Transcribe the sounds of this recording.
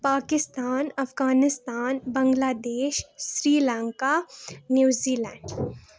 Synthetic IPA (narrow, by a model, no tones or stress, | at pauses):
paːkɪst̪aːnɐfɡaːnɪst̪aːnbɐ̃ŋɡlaːd̪eːʃsɾiːlãːŋkanjuːziːlɛ̃ːɳɖ